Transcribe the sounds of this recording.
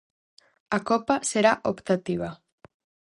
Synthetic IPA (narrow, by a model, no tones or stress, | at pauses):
akopaseɾaʔopt̪at̪iβ̞a